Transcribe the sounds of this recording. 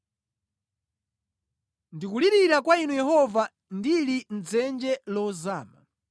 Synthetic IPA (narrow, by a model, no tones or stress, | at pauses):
ndikuliɾiɾakwainujɛɦɔva | ndilin̩d͡zɛnd͡ʒɛlɔzaːma̰